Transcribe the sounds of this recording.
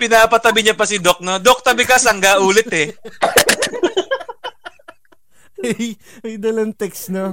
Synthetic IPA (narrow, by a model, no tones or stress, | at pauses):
pɪnaːpɐt̪ɐbɪɲapɐsɪd̪ok̚nod̪ok̚t̪ɐbɪkɐsɐŋɡaʔuːlɪt̪ɛ | ɐj | ɐjd̪ɐlɐnt̪ɛksno